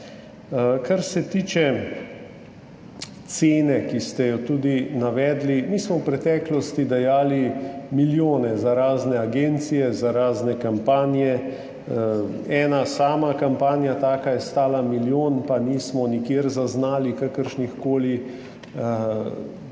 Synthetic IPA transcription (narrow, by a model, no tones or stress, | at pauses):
kʰaɾsɛt̪iːt͡ʃɛ | t̪seːnɛkist̪ɛjɔt̪uːd̪inaʋɛːd̪limiːsmɔwpɾɛt̪ɛklɔst̪id̪ajaːlimiljoːnɛzaɾaːznɛaɡeːnt̪sijɛzaɾaːznɛkampaːnjɛ | ɛːnasaːmakampaːnjat̪aːkajɛst̪aːlamiljoːnpaniːsmɔnikjeːɾzaznaːlikakəɾʃnixkoːli